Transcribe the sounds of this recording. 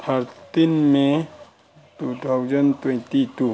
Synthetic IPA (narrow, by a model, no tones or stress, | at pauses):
tʰaɾt̪inme | t̪ut̪ʰawd͡ʒɐnt̪wɛnt̪it̪u